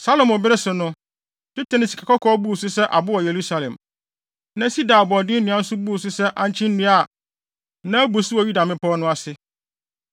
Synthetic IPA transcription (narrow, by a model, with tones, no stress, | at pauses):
sa˦lo˨mʊ̃˨bɪ˦ɾɪ˦sʊ˨nʊ̃˦ | tɪ˦tʰã˨nɪ̃˨si˨kʰa˨kɔ˦kʰɔ˦bu˦˨sʊ˦sɛ˦ʔa̰˨bʊ˦wɔ˨je˨ɾu˦sa˨lɛ̰̃˨m | nã˦si˦da˨bɔ˨dɪ˦nĩ˨ã˨n̩˦sʊ˦bu˦˨sʊ˦sɛ˦ʔã˦ɲ˦t͡ɕʰɪ̃˦n̩˦nũ˦a˦˨ | nã˦bu˨sʊ˦wɔ˨ju˦da˨mɪ̃˦pʰɔ˦nʊ̃˦a˨sɪ˦